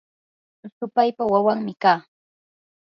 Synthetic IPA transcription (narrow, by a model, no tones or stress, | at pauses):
sʊpajpawawaŋmɪkaː